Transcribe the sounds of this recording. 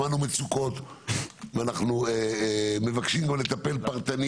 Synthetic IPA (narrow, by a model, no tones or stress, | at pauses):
anumet͡suko̞t̪ | vanaχnueme̞vakʃimɡamle̞t̪ape̞lpaʁt̪ani